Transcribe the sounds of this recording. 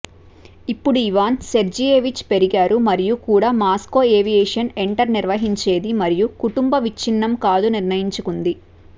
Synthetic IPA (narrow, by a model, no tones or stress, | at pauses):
ipːuɽuiʋaːnseɾd͡ʒijeːʋit͡ʃpe̞ɾiɡaːɾumɐɾijukuːɽaːmaːsko̞ːeːʋijeːʂɐne̞ɳʈɐɾniɾʋɐɦiɲt͡ʃe̞ːd̪imɐɾijukuʈumbɐʋit͡ʃːinːɐmkaːd̪uniɾnɐjiɲt͡ʃukund̪i